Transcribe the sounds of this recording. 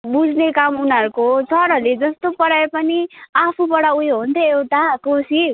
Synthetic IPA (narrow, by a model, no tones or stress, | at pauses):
bud͡znekamunʌɾukot͡sʌɾʌled͡zʌst̪opʌɽaepʌniapʰupʌɽaujɦunt̪ʰʌewʈakosi